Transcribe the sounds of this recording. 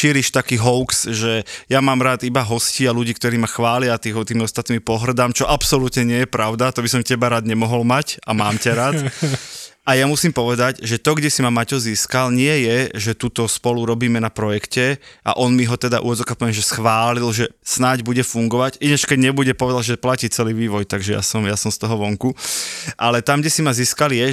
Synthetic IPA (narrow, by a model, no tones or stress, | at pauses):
ʃiːɾiʃt̪akiːɦɔʊksʒɛjamaːmɾaːd̪ibaɦɔsciːaluɟiːkt̪ɔɾiːmaxʋaːlɪat̪iːɔt̪iːmɔst̪at̪nimpɔɦr̩d̪amt͡ʃɔʔapsɔlut̪ɲɛɲɪɛjɛpɾaʊd̪at̪ɔbisɔmcɛbaɾaːd̪ɲɛmɔɦɔlmacamaːmcaɾaːt̪ | ajamusiːmpɔʋɛd̪aɟʒɛt̪ɔɡɟɛsimamacɔziːskalɲɪɛjɛʒɛt̪uːt̪ɔspɔluɾɔbiːmɛnapɾɔjɛkcɛʔa̰ʔɔnmiɦɔt̪ɛd̪a̰ʔṵɔd͡zɔkapɔʋɛnʒɛsxʋaːlilʒɛsnaɟbuɟɛfuŋɡɔʋaɟinat͡ʃkɛɟɲɛbuɟɛpɔʋɛd̪alʒɛplaciːt͡sɛliːʋiːʋɔjt̪aɡʒɛja̰sɔmjasɔmst̪ɔɦɔʋɔŋkuʔalɛt̪amɡɟɛsimaziːskaljɛ